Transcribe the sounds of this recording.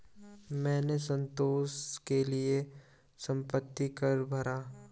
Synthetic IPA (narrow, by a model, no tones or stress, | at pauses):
mɛ̃ːnesə̃nt̪oːskelie | sə̃mpət̪ːikɐɾbʱɐɾaː